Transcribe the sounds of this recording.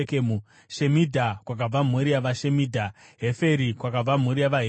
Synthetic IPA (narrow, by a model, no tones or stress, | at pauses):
kemu | ʃemidʱakwak̬ab͡vam̤uɾijaʋaʃemiːdʱaɦefe̞ɾikwakab͡vam̤uɾijaʋaɦe